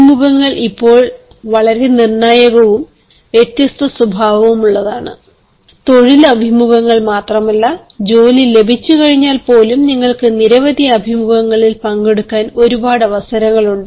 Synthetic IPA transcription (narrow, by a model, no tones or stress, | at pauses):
muɣɐŋːɐɭʔipːo̞ːɭ | ʋɐɭɐɾe̞nirɳaːjɐɣɐʋum | ʋjet̪jɐst̪ʰɐsubʱaːʋɐʋumuɭːɐðaːɳɨ | t̪o̞ɻilɐbʱimuɣɐŋːɐɭmaːt̪rɐmɐlːɐ | d͡ʑo̞ːnilːe̞bʱit͡ɕːukɐɻiɲːaːlpo̞ːlumniŋːɐɭkɨniɾɐʋɐd̪iɐbʱimuɣɐŋːɐɭilpɐŋɡe̞ɽukːaːno̞ɾubaːɽɐʋɐsɐɾɐŋːɐɭuɳɖɨ